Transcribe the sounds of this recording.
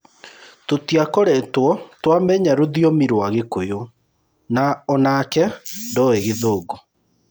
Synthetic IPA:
totiakoɾɛtwɔtwamɛɲaɾoðiɔmiɾwaɣekojo | naɔnakɛndɔeɣeðoːɡɔ

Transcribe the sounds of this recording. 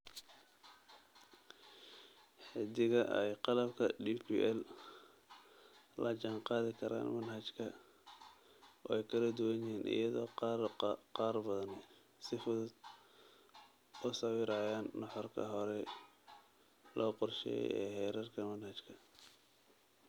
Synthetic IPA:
ħɪd̪ɪɣɐʔɛjqɑlɐbkʰɐɖipʰiʔɛl | lɐt͡ʃɑŋqɑːðɪkʰɐɾa̰ːnmɐnhɐt͡ʃkʰɐ | ɛjkʰɐlɐd̪ʊwɐnɪɦiːnʔɪ̰jɐðɔː | qɑːrbɐðɐnɛ | sɪfʊðʊd̪ | ʊsɐwɪɾaːjaːnːɑħɔrkʰɐ̰ɦɔɾɛ | lɔːqɔrʃɛ̰jɛ̰jɛ̰ːhɛːɾɐrkʰɐmɐnhɐt͡ʃkʰɐ

